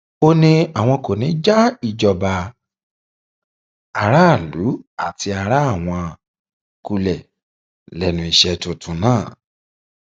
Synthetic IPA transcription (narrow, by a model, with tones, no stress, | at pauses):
o˦nĩ˦˧a˨w̃ɔ̃˧ko˨nĩ˨˦d͡ʒa˦i˦˨d͡ʒɔ˨ba˨ | a˨ɾa˦˨lu˨˦a˨ti˧a˧ɾa˦a˦˨w̃ɔ̃˧ | ku˧lɛ˨ | lɛ˨nũ˨i˨ʃɛ˧to˨tũ˨˦nãː˦˨